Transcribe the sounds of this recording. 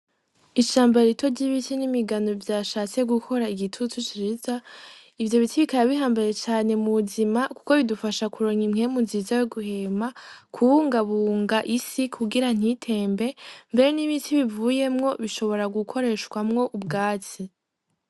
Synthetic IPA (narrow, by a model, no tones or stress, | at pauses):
iʃaːmbaɾitʰo̞ɟiβitinimiɡano̞vjaːʃaːt͡se̞ɡukʰo̞ɾaiɡitʰutut͡ʃiɾiza | ivjo̞βitʰiβikaɾaβihaːmbaje̞t͡ʃaːne̞muβuzimaku̥ko̞βidufaʃakuɾo̞ɲimŋe̞munziːzajeɡuhe̞ːmakʰuβuːŋɡaβuːŋɡaʔisikʰuɡiɾan̥itʰe̞ːmbe̞mbe̞ɾe̞niβinsiβivuːje̞mŋo̞βiʃo̞βo̞ɾaɡukʰo̞ɾe̞ːʃkwamŋo̞ʔubɡaːt͡si